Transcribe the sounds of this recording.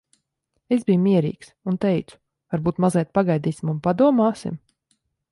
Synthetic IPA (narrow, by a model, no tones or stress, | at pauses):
ezbijmiɛɾḭːksunt̪ɛjt̪su̥ | vaɾbuːt̪mazajt̪̚paɡajd̪iːsʲimunpad̪uɔmaːsḭm